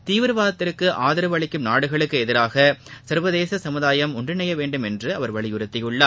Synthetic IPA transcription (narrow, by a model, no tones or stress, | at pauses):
t̪iːʋɯɾʋaːðɐt̪ːɪɾkːɯʔaːðɪɾɯʋɐɭɪkːɯmnaːɽɯɣɐɭɯkːɯɛðɪɾaːɣɐsɐɾʋɐðeːsɐsɐmɯðaːjɐmʊɳɖɪnɐjɐʋeːɳɖɯmɛndrɯɐʋɐɾʋɐɭɪjʊɾɯt̪ːɪjɯɭːaː